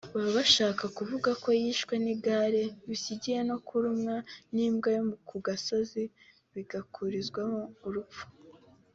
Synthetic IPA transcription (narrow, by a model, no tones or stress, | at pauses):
βaβaʃaːkakuvuɡako̞jiʃkweniɡaɾe̞βisiɟije̞no̞kuɾumŋaniːmɡajomukuɡasozi | βiɡakʰuɾizɡwamouɾup͡fu̥